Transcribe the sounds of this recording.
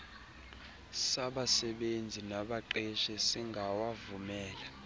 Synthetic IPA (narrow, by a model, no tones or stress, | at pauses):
saɓasɛɓend͡zʱinaɓaǃɛʃɛsiŋɡʱawavumɛːla